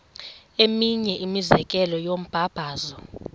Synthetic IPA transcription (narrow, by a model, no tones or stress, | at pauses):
emiɲɛʔimizɛk̬ʼɛlɔjom̩b̥ʱab̥ʱaːzɔ